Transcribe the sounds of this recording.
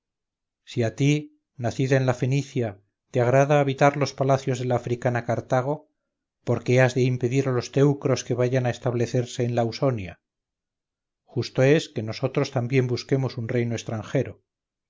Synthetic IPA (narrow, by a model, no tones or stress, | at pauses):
siat̪i | naθiðaenlafeniθja | t̪eaɣɾað̞aːβit̪aɾlo̞spalaθjo̞zðe̞laːfɾikanakaɾt̪aɣ̞o̞ | po̞ɾke̞azðe̞impe̞ðiɾalo̞st̪e̞wkɾo̞ske̞β̞aʝanaest̪aβle̞θe̞ɾse̞ːnlawso̞nja | xust̪o̞e̞ske̞no̞so̞t̪ɾost̪ambje̞mbuske̞mo̞sunre̞jnoest̪ɾaŋxe̞ɾo̞